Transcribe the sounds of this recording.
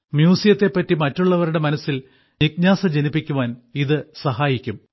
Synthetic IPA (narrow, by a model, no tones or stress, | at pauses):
mjuːsijɐt̪ːe̞pːɐtːimɐtːuɭːɐʋɐɾuɽe̞mɐnɐsːil | nik̚ɲaːsɐd͡ʑenipːikʲːuʋaːniðɨsɐɦaːjikʲːum